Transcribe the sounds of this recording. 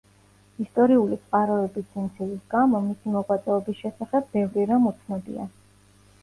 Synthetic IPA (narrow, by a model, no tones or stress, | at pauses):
ist̪ʼɔɾiulit̪sʼqʼaɾɔɛbiɛnt̪sʰilisɡamɔmisimɔʁwat̪sʼɛɔbisʃɛsaχɛbːɛvɾiɾamut̪sʰnɔd̪ḭa̰